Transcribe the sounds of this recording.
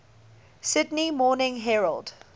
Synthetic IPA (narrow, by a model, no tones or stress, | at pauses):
sɪdnimɔːnɪ̃ŋɦɛɹəld̥